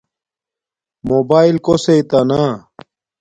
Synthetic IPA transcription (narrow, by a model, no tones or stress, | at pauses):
mobaːilkoseit̪ɐna